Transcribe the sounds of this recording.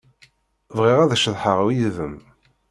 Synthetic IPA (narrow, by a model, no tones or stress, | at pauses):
vʁiʁæðæʃəðˤħəʁwiðəm